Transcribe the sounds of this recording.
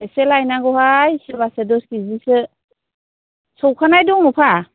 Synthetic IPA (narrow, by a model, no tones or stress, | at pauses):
eselajnaɡɔhajsibasedɔskizisɯ | sɔwkʰanajdɔŋlupʰa